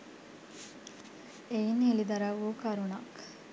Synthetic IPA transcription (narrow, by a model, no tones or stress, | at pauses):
einelid̪ɐɾaʋuːkaɾunak